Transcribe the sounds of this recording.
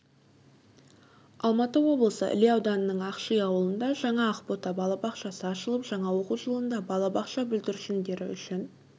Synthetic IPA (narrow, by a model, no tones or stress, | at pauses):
ɑlˠmɑt̪əwo̞blˠəsə̰ʔɪ̰liɑwd̪ɑnəːəɴɑqʃəjɑwəlˠənd̪ɑʒɑɴɑːqpot̪ɑbɑlˠɑbɑqʃɑsəɑʃəlˠəpʒ̥ɑɴɑwo̞quʒəlˠənd̪ɑbɑlˠɑbɑqʃɑbʏld̪ɪɾʃɪnd̪e̞ɾɪ̰ʏ̰ʃɪn